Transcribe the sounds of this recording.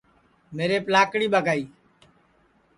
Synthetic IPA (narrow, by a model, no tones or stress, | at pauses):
meːɾeːplaːkɽiːɓaɡaːiː